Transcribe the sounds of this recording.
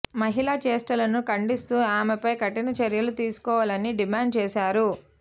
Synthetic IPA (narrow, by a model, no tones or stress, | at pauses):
mɐɦilaːt͡ʃeːsʈɐlɐnukɐɳɖist̪uːaːmepɐjkɐʈːinɐt͡ʃeɾjɐlut̪iːsu̥kɔːʋalɐniɖimaːɳɖ̚t͡ʃɛːʃaːɾu